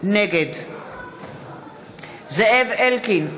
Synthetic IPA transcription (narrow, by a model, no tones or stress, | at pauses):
nɛɡɛd | zɛɛvɛlkʰin